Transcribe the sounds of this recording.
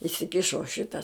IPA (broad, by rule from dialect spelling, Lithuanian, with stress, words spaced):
ɪsʲɪˈkʲɪʃoː ˈʃʲɪtɐ